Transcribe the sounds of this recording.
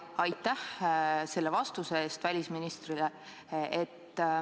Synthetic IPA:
ɑjt̪ːˑæhse̞lːevɑst̪useeːst̪vælʲisminist̪rile | ʔet̪ːˑ

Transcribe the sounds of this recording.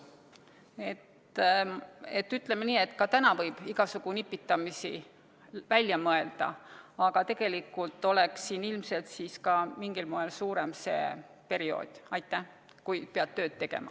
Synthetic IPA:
e̞t̪ | e̞t̪ːyt̪ːˑlemeniːe̞t̪ːkɑt̪ænɑvɤjb̥iɡ̥ɑsuɡ̥unipːˑit̪ːˑɑmisḭ | vælʲjɑmɤe̞ld̪̥ɑ̰ɑɡ̥ɑt̪e̞ɡ̥e̞likːˑult̪ːˑo̞le̞ksːiːnilmse̞lt̪siːskɑmiŋɡ̥ilmoelsuːɾe̞mse̞̰ː | pe̞ɾio̞̰ːd̪̥ʲɑjt̪ːˑæ | kujpeɑt̪ːø̞ːd̪̥̚t̪ːe̞ɡ̥e̞̰mɑ̰

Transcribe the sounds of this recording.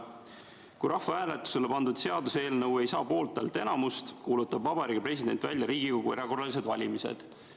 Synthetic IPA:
kujɾʔɑhvɑæːlet̪ːˑu̥se̞le̞pɑnd̪ud̪̥se̞ɑd̪useːlnɤwe̞jsɑːpo̞ːlt̪ːˑḛlt̪ˑe̞nɑmust̪kuːlut̪ːɑbvɑbɑɾiːɡ̥epre̞s̬ʲid̪̥e̞̰nʲt̪væ̰lʲjɑɾiːɡikoɡ̥ueɾɑɡ̥o̞ɾɑlis̬e̞d̪vɑlʲimise̞̰d̪̥

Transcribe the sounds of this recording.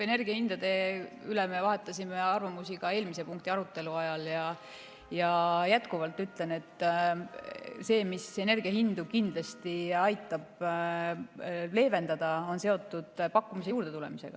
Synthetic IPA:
e̞ne̞rɡ̥iɑhind̪̥ɑd̪̥e̞ylemevɑɦe̞t̪ːˑɑsʲime̞ɑrvɑmusiɡ̥ɑe̞ːlmisepuŋk̚t̪iɑɾut̪ːˑe̞luɑjɑljɑ | jɑjæt̪kuvɑlt̪ːˑyt̪le̞ne̞t̪ː | se̞ːmise̞ne̞rɡ̥iɑɦind̪ukind̪̥lɑst̪iɑjt̪ːˑɑb̥ | le̞ːve̞nd̪ɑd̪̥ɑo̞nse̞o̞t̪ːˑud̪̥pɑkːumisijuːɾd̪e̞t̪ulɛ̞̰mise̞̰ɡ̥ɑ̰

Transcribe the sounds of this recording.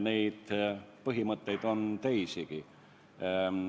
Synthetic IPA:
neit̪pɤɦimət̪ːeit̪ont̪eisiki

